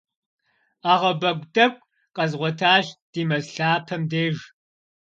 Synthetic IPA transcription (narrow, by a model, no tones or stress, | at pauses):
aːʁɐbɐɡʷdʼɐkʷʼ | qʼɐzʁʷɔtʰaːɕd̥iːmɐɬaːpʰɐmdeːʒ